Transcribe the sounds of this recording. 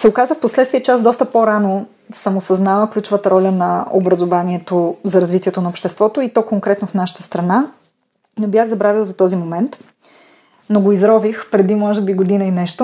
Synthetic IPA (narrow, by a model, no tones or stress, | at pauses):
sɛokazəfposlɛt̪st̪viɛt͡ʃɛazd̪ɔst̪əpoɾano | sɐmosɐznavəklʲut͡ʃʊvət̪əɾɔlʲənɐo̰bɾɐzovaniɛt̪ozɐɾɐzvit̪iɛt̪onɐopʃt̪ɛst̪vɔt̪oit̪ɔkoŋkɾɛt̪nofnaʃə̥t̪ə̥st̪ɾɐna | nobjaɣzɐbɾavilˠzɐt̪ɔzimomɛnt̪ | noɡoizɾɔvixpɾɛd̪imɔʒɛbiɡod̪inɐinɛʃt̪o